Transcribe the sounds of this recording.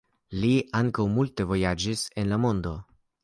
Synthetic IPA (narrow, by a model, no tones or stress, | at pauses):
liʔaŋkawmulte̞vo̞jad͡ʒise̞nlamo̞ndo̞